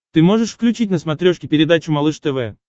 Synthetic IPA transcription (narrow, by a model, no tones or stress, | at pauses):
t̪ɨmoʐɨʂfklʲʉt͡ɕit̚ʲnəsmat̪ɾʲoʂkʲɪpʲɪɾʲɪd̪at͡ɕʊmalˠɨʂt̪ɛvɛ̰